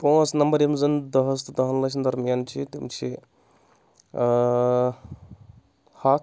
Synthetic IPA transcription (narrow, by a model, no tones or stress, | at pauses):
põːsnɐmbɐɾjimzɐnd̪ɐɦəs̬t̪d̪ɐɦɐnlɐt͡ʃʰnd̪ɐɾmijant͡ʃʰit̪imt͡ʃʰi | ha